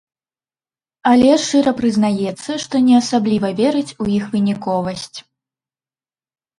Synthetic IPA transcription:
ɐlʲɛʂt͡ʂɨɾɐpɾɨznajɛt̪sːɐʂt̪ɔnʲɛɐsablʲivɐvʲɛɾɨt͡sʲuixvɨnʲikɔvɐsʲt͡sʲ

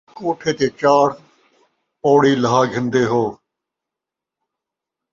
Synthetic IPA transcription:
koːʈʰeːt̪eːt͡ʃaːɾ | oːɽiːləɦaːɡʱɪnd̪eːɦoː

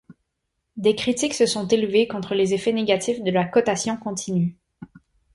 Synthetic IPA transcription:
d̪ekχit̪iksəsɔ̃t̪elvekɔ̃t̪χəlezefɛneɡat̪ifd̪əlakɔt̪asjɔ̃kɔ̃t̪ʰiny

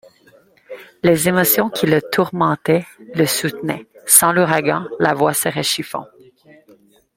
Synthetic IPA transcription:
lezemɔsjɔ̃kʲʰilət̪ʰuʁmɑ̃t̪ɛləsut̪nɛsɑ̃luʁaɡɑ̃lavwasəʁɛʃifɑ̰̃

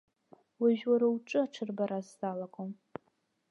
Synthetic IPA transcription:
wɪʒwaɾɨwʈ͡ʂʼɨaʈ͡ʂʰɨrbaɾazdaːlɐkʷʰʼom

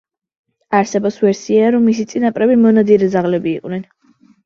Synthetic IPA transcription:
aɾsɛbɔsvɛɾsiaɾɔmːis̬it̪sʼinapʼɾɛbimɔnad̪iɾɛd̪zaʁlɛbiːqʼnɛn

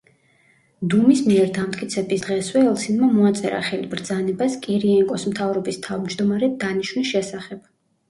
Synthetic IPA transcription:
d̪umismiɛɾd̪amt̪ʼkʼit̪sʰɛbisd̪̥ʁɛswɛːlˠsinmamɔat̪sʼɛɾa̰χɛlibɾd̪zanɛbaskʼɛɾiɛŋkʼɔsmt̪ʰavɾɔbist̪ʰavd͡ʒd̪ɔmaɾɛd̪aniʃnisʃɛsaχɛb̥

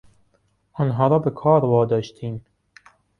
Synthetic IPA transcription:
ʔɑːnɦɑːɾɒːbekʰɑːɾvɒːd̪ɒːʃt̪ʰiːm

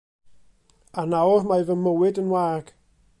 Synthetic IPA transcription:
anawrmajvəmːəwɪdənwaːɡ̥

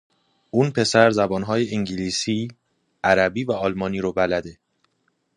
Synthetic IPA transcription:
ʔuːnpʰe̞sæɾzæbɒːnɦɒːjeʔiŋɟiliːsiː | æɾæbiːvæɒːlmɒːniːɾobælæd̪e̞

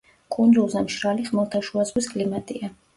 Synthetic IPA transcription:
kʼund̪zulˠzamʃɾaliχmɛlˠt̪ʰaʃuazʁwiskʼlimat̪ʼia

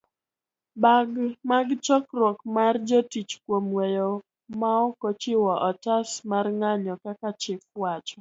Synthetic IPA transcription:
baɡmaɡt͡ʃɔkrwɔkmard͡ʒɔtit͡ʃkwomwejo | maɔkot͡ʃɪwɔʔɔtasmarŋaɲɔkakat͡ʃɪfwat͡ʃɔ

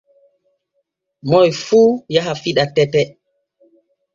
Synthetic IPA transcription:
mɔjfuːjaɦafiɗatɛtɛ

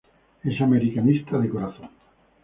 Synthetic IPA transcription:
esameɾikanist̪aðekoɾaθoŋ

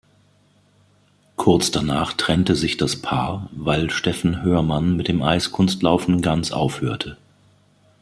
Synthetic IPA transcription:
kʰʊɐt͡sd̥anaːχtʁ̥ɛntəzɪçd̥aspʰaːɐvaɪlʃtɛfn̩høːɐmanmɪt̚d̥eːmʔaɪskʰʊnstlaʊfn̩ɡant͡sʔa̰ʊfhøːɐtʰə

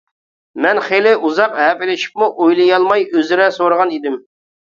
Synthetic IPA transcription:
mɛnχelɪʔuzɑqɦɛpɪlɪʃi̥p̚muʔojlˠɨjɑlˠmɑjøzɪɾɛsoɾəʁɑnid̪ɪm

